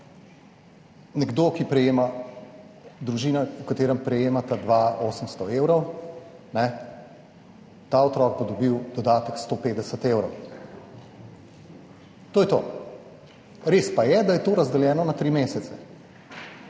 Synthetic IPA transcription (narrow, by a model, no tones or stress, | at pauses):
nɛɡd̪okipɾɛjeːma | d̪ɾuʒiːnaukat̪eːɾɛmpɾɛjeːmat̪ad̪ʋaoːsəmst̪ɔeːwɾɔw | nɛ | t̪aːɔt̪ɾɔːɡ̚bod̪ɔbiwd̪ɔd̪aːt̪əkst̪oːpeːd̪ɛsət̪eːwɾɔw | t̪oːjɛt̪o̰ː | ɾeːspajɛd̪ajɛt̪oːɾazd̪ɛljɛːnɔnat̪ɾiːmeːsɛt̪sɛ